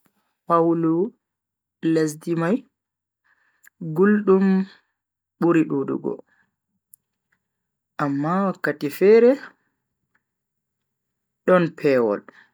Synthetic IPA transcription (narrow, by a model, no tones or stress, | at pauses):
pawlu | les̬dimaj | ɡulɗum | ɓuɾiɗudṵɡɔ̰ | ʔamːawakːatifɛːɾɛ | ɗɔnpʰɛːwɔ̰l